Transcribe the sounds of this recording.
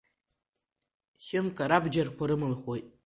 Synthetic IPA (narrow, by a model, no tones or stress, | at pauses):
χʲɪnkʰʼaɾabd͡ʒarkʷʰaɾɨmɨlχʷojtʼ